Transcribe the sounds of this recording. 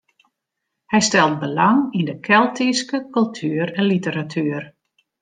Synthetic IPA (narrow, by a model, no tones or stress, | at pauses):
hɛjstɛlˠt̚bəlaŋindəkʰɛlˠtiskəkɵlˠtʰyːəɾɛ̃nlitəɾatʰyːər